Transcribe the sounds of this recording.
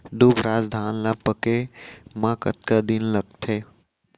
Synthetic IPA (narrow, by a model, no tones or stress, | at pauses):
d̪ubɾaːzd̪ʱaːnlapəkemãkə̰t̪̚kad̪inləɡ̚t̪ʰeː